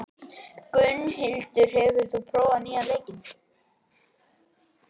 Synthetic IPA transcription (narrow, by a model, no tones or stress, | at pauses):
kʏnːhɪlt̪ʏ̥r̥ɛːvʏɾ̥θupʰɾoːwaniːaleːjcɪn